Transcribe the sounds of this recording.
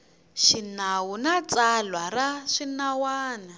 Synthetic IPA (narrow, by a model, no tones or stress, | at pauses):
ʃinawunat͡salwaɾaʂinawaːna